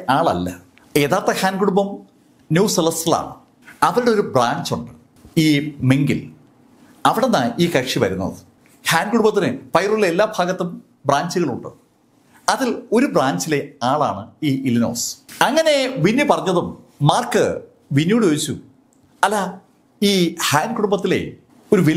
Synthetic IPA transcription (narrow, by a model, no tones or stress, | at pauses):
aːɭɐ̰lːɐ̰ | e̞ːðaːrt̪ːɐhaːnɡuɽumbɐm | njuːselɐsila̰ːɳɨ | ɐʋilɽeo̞ɾubraːɲd͡ʑuɳɖɨ | iːmeŋɡḭl | ɐʋiɽenːaiːkɐkʂiʋɐɾunːɐ̰ðɨ | haːnɡuɽumbɐt̪ːinɨpɐjrulːɐelːaːbʱaːɡɐt̪ːum | braːɲd͡ʑɨɣɐɭuɳɖɨ | ɐðilo̞ɾubraːɲd͡ʑile̞aːɭa̰ːɳɨiːilino̞̰ːsɐŋːɐne̞ʋinːupɐrɐɲːɐðumː | aːrkɨ | ʋinjuɽuʋeit͡ɕːu | ɐlːa | iːhaːnkuɽumbɐt̪ːile̞̰ | o̞ɾuʋi